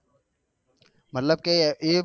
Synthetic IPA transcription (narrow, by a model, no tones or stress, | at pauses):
mət̪ləb̚keeː